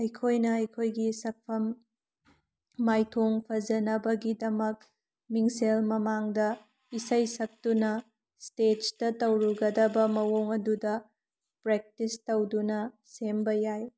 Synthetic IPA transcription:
ɐjkʰojnɐɐjkʰojɡisɐk̚pʰɐm | ajtʰoŋpʰɐzɐnɐbɐɡidɐmɐk̚ | miŋselmɐmaŋdɐ | isɐjsɐk̚tunɐ | stet͡ʃtɐtɐwɾuɡɐdɐbɐmɐwoŋɐdudɐ | pɾek̚tistɐwdunɐ | sembɐjaj

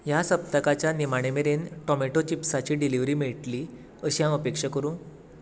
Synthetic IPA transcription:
jasəp̚t̪əkat͡ɕjanimaɽ̃emeɾenʈɔmeʈot͡ɕipsat͡ɕiːɖiliʋɾiːmiɭʈliː | əɕiɦãəpekʂəkəɾũː

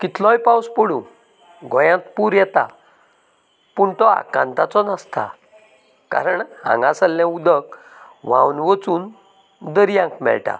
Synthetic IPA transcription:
kit̪lɔ̃jpawspəɽũ | ɡʱɔjãt̪puːɾjɛt̪a̰ | puɳt̪ɔa̰kãnt̪at͡sɔnast̪ʰa̰ | ka̰ɾəɳhã̰ŋɡãsəlːɛ̃ud̪ək | ʋãwnʋət͡suːn | d̪əɾijãŋkmɛ̰ɭʈa̰

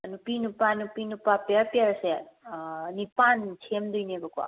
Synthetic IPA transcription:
ənupinupanupinupapeɾpeɾse | nipant͡ʃʰemd̪uijnebəkua̰

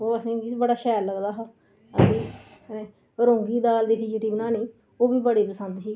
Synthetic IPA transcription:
oːəsĩːɡibəɽaːʃɛːɾləɡd̪aːɦaː | ətiːneː | ɾõːŋɡiːd̪aːld̪iːsiːd͡ʒeːʈiːbənaːniː | oːbiːbəɽiːpəsə̃nd̪siː

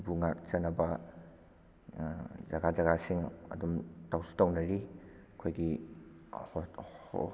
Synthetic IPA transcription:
buŋakt͡ʃɐnːɐbɐ | zɐɡad͡ʒɐɡasiŋɐ̰dumtawsi̥tawnɐɾi | ɐkʰojɡi

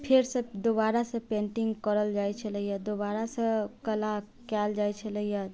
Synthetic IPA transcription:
pʰeɾsə̃d̪obaɾasə̃pẽɳʈiŋɡkəɾəld͡ʒajt͡ʃʰələjad̪oβaɾasə̃kəla | kɛld͡ʒajt͡ʃʰələja

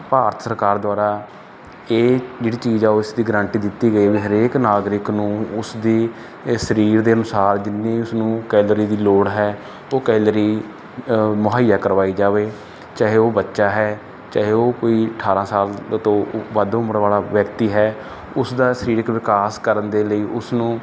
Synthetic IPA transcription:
paːɾət̪ʰsəɾkaːɾd̪oaːɾaː | eːd͡ʒeːɽiːt͡ʃiːzaːoːɪsd̪iːɡɾãːɳʈiːd̪ɪt̪ːiːɡəiːʋiːɦəɾeːknaːɡɾɪknũːʊsd̪iː | səɾiːɾd̪eːənʊsaːɾd͡ʒɪnːẽːʊsnũːkɛːlɾiːd̪iːloːɽɦɛː | oːkɛːlɾiː | mʊɦaːijaːkəɾʋaːiːd͡ʒaːʋeː | t͡ʃaːɦeːoːbətːʃaːɦɛː | t͡ʃaːɦeoːkoːiːəʈʰaːɾãːsaːlt̪õːʋəd̪ʊməɾʋaːlaːʋjəkt̪iːɦɛː | ʊsd̪aːsəɾiːɾɪkːʋɪkaːskəɾənd̪eːləiːʔʊsnũː

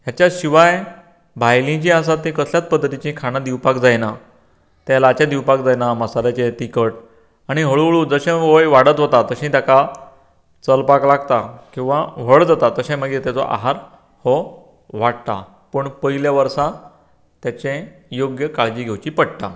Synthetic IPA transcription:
ɦjat͡ɕjaɕiʋaj | bʱajlĩt͡ɕĩas̬at̪ːĩkəsljat͡s̚pəd̪ʱət̪it͡ɕĩkʰaɽ̃ad̪iwpakd͡zajna | t̪jalat͡ɕad̪iwpak̚d͡zajnaməsalat͡ɕet̪ikəʈ | aɽ̃iɦəɭuɭuːd͡zəɕẽʋəjʋaɽət̪ɦot̪at̪əɕĩt̪jaka | t͡səlpaklaɡt̪akĩw̃ʋaʋ̤əɭd͡zat̪at̪əɕẽməɡet̪at͡sɔ̰ʔa̰ɦaɾ | hɔ | ʋaɽt̪a̰ | pəɳpəiljaʋəɾsa | t̪jat͡ɕẽjoɡjəkaɭd͡ʑiːɡʱewt͡ɕipəɽt̪a̰

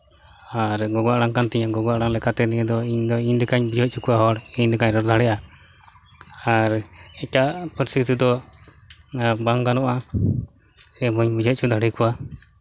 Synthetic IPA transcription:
aɾɡɔɡaʔɽaŋkant̪ɛɲaɡɔɡaʔɽaŋlɛkat̪ɛniɲɛd̪ɔiɲd̪ɔiɲd̪ɛkaɲbid͡ʒʱɔc̚t͡ʃʰukuwaɦɔɽiɲd̪ɛkaɲɾɔɾd̪ʱaɽɛjʔa | aɾɛkaʔpɔɾst̪it̪id̪ɔ | baŋɡanɔʔa | sɛbɔɲbid͡ʒʱɔʔ̚t͡ʃʰud̪ʱaɽikuwa

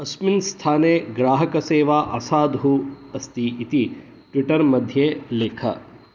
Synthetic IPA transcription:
ɐsminst̪ʰaːneːɡɾaːɦɐkɐseːʋaːʔɐ̰saːd̪ɦu | ɐst̪iit̪i | ʈʋiʈɐɾmɐd̪ʱjeːleːkʰɐ̰

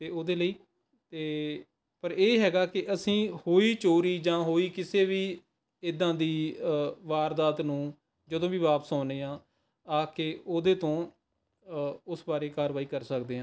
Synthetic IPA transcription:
t̪eːoːd̪eːləiː | t̪eː | pəɾeːɦɛːɡaːkɪʔəsĩːhoːiːt͡ʃoːɾiːd͡ʒãːɦoːiːkɪseːʋiː | ɪd̪ãːd̪iː | ʋaːɾd̪aːt̪nũː | d͡ʒəd̪õːʋiːʋaːpəsaːneːãː | aːkeːoːd̪eːt̪õː | ʊsbaːɾeːkaːɾʋaːiːkəɾsəkd̪eːɦãː

